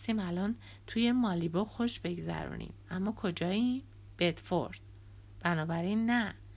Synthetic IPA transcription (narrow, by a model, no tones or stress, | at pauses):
st̪iːmælɒːn | t̪ʰuje̞mɒːliboxoʃbe̞ɡzæ̰ɾṵːnʔḭmæmːɒːkʰo̞d͡ʒɒːji | b̥e̞d̪̥fo̰ɾd̪̥̚ | b̥ænɒːbæɾinːæ